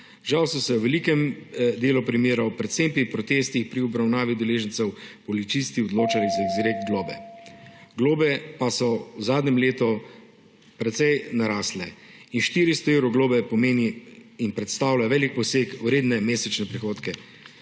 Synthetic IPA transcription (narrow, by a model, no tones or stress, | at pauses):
ʒawsɔsɛwʋɛlikɛmd̪eːlupɾimeːɾawpɾɛt̪sempipɾɔt̪eːst̪ixpɾiɔbɾawnaːʋid̪ɛleːʒənt̪sɛwpɔlit̪t͡ʃ̪ist̪iɔd̪loːt͡ʃalizaeɡziɾek̚t̪ɡloːbɛ̰ | ɡloːbɛpasɔwzaːd̪nɲɛmleːt̪ɔ | pɾɛt̪sɛjnaɾaːslɛinʃt̪iɾist̪ɔewɾɔɡloːbɛpɔmeːniːnpɾɛt̪st̪awlaʋɛːlik̚pɔseːkuɾeːd̪nɛmeːsɛt͡ʃnɛpɾixoːt̪kɛ